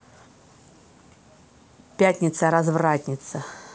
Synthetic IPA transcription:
pʲætʲnʲɪt̪səɾɐzvratʲnʲɪt̪sə

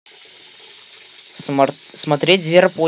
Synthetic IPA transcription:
smɐt̪ɾʲetʲzvʲerpo

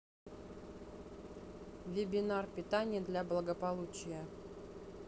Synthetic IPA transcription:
vʲɪbʲɪnarpʲɪt̪anʲɪjəd̪lʲablˠəɡəpɐlˠut͡ɕɪjə

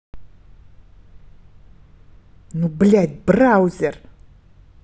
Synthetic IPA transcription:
nubɨɮad̪ʲbɨraawzer

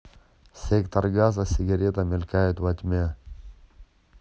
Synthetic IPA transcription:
sʲekt̪ɐrɡazɐsʲɪɡɐɾʲet̪ɐmʲɪlʲkajʊt̪vɐt̪ʲmʲe

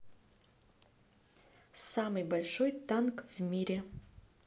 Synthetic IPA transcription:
samɨjbalʲʂojt̪ankvmʲiɾʲe

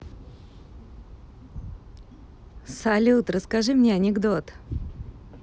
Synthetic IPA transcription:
sɐlʲut̪rəskaʐɨmnʲeɐnʲɪɡd̪ot̪

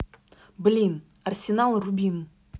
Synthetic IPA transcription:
bɪlʲin | arsʲenalˠrubʲin

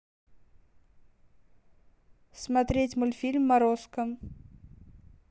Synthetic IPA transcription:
smɐt̪ɾʲetʲmolʲfʲilʲmːɐɾoskəm

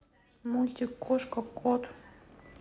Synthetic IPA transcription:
mulʲt̪ʲikːoʃkəkʰot̪

